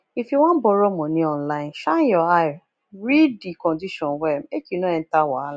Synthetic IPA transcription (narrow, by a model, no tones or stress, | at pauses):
ifiwãn̩bɔɾɔmɔ̃nĩɔnlaj̃nʃãjɔa | ɾidikɔ̃ndiʃɔ̃nwɛmekinɔ̃ɛ̃ntawaala